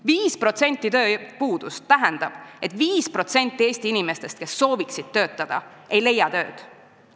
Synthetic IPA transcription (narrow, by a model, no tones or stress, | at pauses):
viːspro̞t̪se̞nʲt̪ːˑit̪ø̞ːpuːd̪̥ust̪ːæɦend̪̥ɑb̥e̞t̪viːspro̞t̪se̞nʲt̪ːˑie̞ːsʲt̪iinime̞st̪e̞st̪ke̞sːo̞ːviksid̪̥̚t̪ø̞ːt̪ˑːɑd̪̥ɑ̰ | e̞jle̞jːɑt̪ø̞ːd̪̥